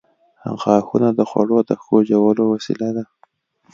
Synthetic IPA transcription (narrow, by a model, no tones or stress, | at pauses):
ha̰ŋxɑxunad̪əxwa̰ɽod̪əxod͡ʒawalowasḭlad̪a